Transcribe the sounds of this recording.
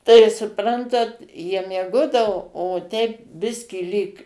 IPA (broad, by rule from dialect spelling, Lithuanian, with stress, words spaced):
tɐɪ sʊˈprɐntɐt jiɛ mʲiɛˈɡoːdɐʋoː oː tʲɛɪp ˈbʲɪsʲkʲiː lʲiːk